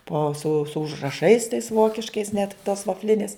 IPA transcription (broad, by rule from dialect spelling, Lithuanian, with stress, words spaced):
poː sʊ sʊ ʊʒrɐˈʃɐɪs tɐɪs ˈʋoːkʲɪʃkɐɪs nʲɛt toːs ʋɐfʲˈlʲɪnʲeːs